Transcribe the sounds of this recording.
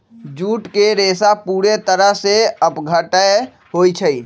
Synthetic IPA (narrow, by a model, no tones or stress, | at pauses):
d͡ʒuːʈkeɾeːsapuːɾet̪əɾəɦseəpɡʱəʈəe | ɦoːit͡ʃʰəi